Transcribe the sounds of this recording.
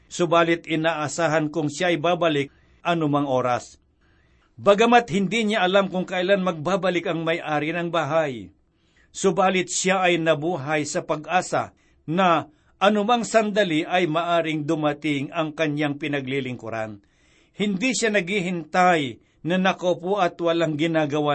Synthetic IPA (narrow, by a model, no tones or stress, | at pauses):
sʊbaːlɪt̪ɪnaːʔɐsaːɦɐnkʊŋʃjaʔɐjbaːbɐlɪk̚ | ʔɐnʊmaŋʔo̞ːɾɐs | bɐɡɐmat̪̚hɪnd̪iɲaʔɐlamkʊŋkɐʔɪlanmɐɡ̚baːbɐlɪkɐŋmɐjʔaːɾɪnɐŋbaɦaj | sʊbaːlɪt̪̚ʃjaʔɐjnɐbuːɦɐjsɐpɐɡʔaːsa̰ | nɐ | ʔɐnʊmaŋsɐnd̪ɐlɪʔɐjmɐʔaːɾɪŋd̪ʊmɐt̪ɪŋɐŋkɐɲaŋpɪnɐɡlilɪŋkʊ̰ɾa̰n | hɪnd̪iʃanɐɡhiɦɪnt̪aj | nɐnɐkopoʔɐt̪wɐlaŋɡɪnaːɡɐwa